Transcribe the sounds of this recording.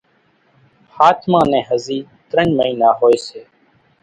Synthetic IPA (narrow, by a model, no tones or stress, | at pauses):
haːt̪ʰmãːnɛ̃ːɦəziːt̪ɾəɲməiːnaːɦoːeːseː